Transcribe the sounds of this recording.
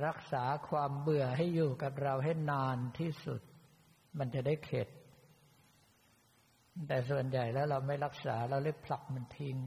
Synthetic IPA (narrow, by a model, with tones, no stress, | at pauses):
ɾa˦˥k̚saː˩˦kʰwaː˧mbɯ˨˩ɐɦa˥˩jːuː˨˩ka˨˩p̚ɾa˧wɦa˥˩jnaː˧nt̪ʰiː˥˩sṵ˨˩t̪̚ | ma˧nt͡ɕa˨˩daː˥˩jkʰe˨˩t̪̚ | t̪ɛː˨˩su˨˩ənja˨˩jlɛː˦˥wɾa˧wma˥˩jɾa˦˥k̚saː˩˦ɾa˧wda˥˩pʰla˨˩k̚ma˧nt̪ʰi˧ŋ